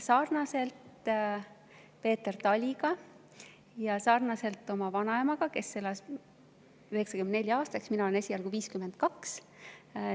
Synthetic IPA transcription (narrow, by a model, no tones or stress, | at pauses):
sɑːrnɑse̞lt̪ | pe̞ːt̪ert̪ɑlʲiɡ̥ɑ | jɑsɑrnɑse̞lt̪ːˑo̞mɑvɑnɑemɑɡ̥ɑke̞sːelɑs | yhe̞ksɑkymend̪ne̞lʲjɑɑːst̪ɑksminɑoenesʲiɑlɡ̥uviːskymed̪̥̚kɑks